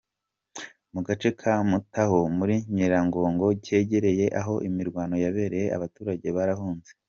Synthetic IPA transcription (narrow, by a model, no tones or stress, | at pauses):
muɡat͡ʃe̞kʰamutaho̞muɾiɲiɾaŋɡo̞ːŋɡo̞ɟe̞ːɟe̞ɾe̞je̞ʔaɦo̞ʔimiɾɡwaːno̞jaβe̞ːɾe̞jea̰βatuːɾaɟe̞βaɾaɦuːnze̞